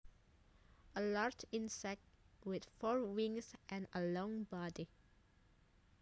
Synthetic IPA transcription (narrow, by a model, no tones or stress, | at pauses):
əlaɹd͡ʒɪ̃nsɛk̚twɪð̥fɔɹwɪ̃ŋsʔɛ̃nəlɔ̃ŋbɑdi